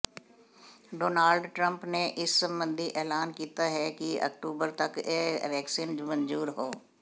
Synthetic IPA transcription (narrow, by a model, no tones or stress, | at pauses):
ɖoːnaːlɖʈɾə̃mpneʔɪsːə̃mbə̃nd̪ʱiʔɛːlaːnkiːt̪aɦɛkiɐ̰k̚ʈuːbəɾt̪ɐkeʋɛːksiːnd͡ʒmə̃ɲd͡ʒuːɾɦoː